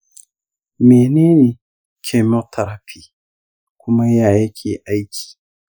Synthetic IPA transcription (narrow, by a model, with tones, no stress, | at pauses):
me˨ne˦ne˨ | kʰɛ˨mo˦tʰɐ˨ɾa˦pʰi˦ | kʰʷʊ˦ma˦jaː˨ja˦kʲʰeː˨ʔa˦jkʲi̥˨